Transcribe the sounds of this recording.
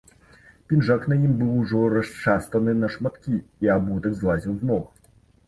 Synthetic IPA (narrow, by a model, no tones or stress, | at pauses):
pʲinʐakn̪ɐjimbɨwʐɔɾɐst͡ʂast̪ɐnɨnɐʂmat̪kʲiːabut̪ɐɡzlˠazʲiwznɔx